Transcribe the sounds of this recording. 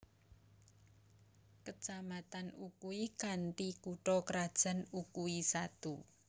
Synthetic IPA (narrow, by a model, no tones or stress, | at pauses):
kət͡ʃamat̪anukuikant̪ikuʈɔkəɾad̥ʒ̥a̤nukuisat̪u